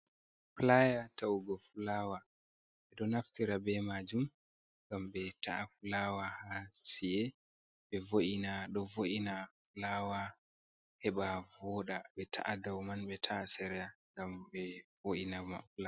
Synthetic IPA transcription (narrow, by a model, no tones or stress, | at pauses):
plajatauɡɔflawa | ɓɛɗɔnaftiɾabɛmad͡ʒum | ŋɡambɛtʰaʔafulawahasijɛ | ɓɛvoʔinaɗɔvoʔinafulawa | hɛɓavɔɗaɓɛtʰa̰ʔadawmanɓɛtʰasɛɾɛjaŋɡambɛvoʔinamafla